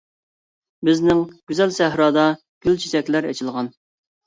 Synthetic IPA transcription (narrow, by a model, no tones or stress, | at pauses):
bɪznɪŋɡ̥ʲyzɛlsæɦɾɑːd̪ɑ | ɡ̥ʲylt͡ʃʰi̥t̪ɛkʲlæɾɛ̰t͡ʃʰilˠʁɑn